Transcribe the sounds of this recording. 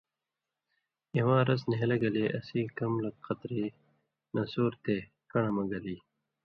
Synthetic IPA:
iwãːɾɐsniɦelɐɡɐleːʔɐ̰siːkɐmlɐk̚qɐt̪ɾiː | nɐsoːɾt̪eː | kɐɳɐmɐɡɐliː

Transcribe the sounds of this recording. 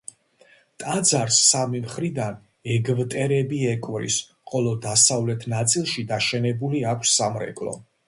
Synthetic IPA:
t̪ʼad̪zaɾsːamimχɾid̪an | ɛɡvt̪ʼɛɾɛbiɛkʼvɾḭs | qʼɔlˠɔd̪asavlɛt̪ʰnat̪sʼilˠʃid̪aʃɛnɛbuliakʷʰsːamɾɛ̰kʼlˠɔ̰

